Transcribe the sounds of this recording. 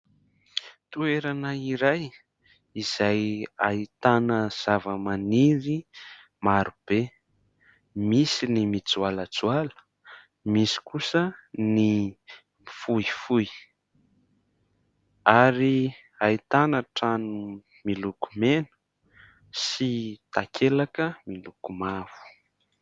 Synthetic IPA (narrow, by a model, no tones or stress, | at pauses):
t̪ueɾanəiɾaj | iz̥ajait̪anəz̥avəmaniɾi | maɾub̥e | misinimit͡sualat͡sualə̥ | misi̥kusəni | mifuifuj | aɾi | ait̪anaʈ͡ʂanu | milukumenu̥ | sit̪akʰelakəmilukumav̥u̥